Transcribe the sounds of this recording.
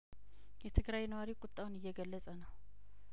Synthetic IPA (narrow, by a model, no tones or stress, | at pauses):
jɛt̪ʰɨɡɾajnəwaɾikʼʊt̪ʼːawnɨjːɛɡəlːəsʼənəw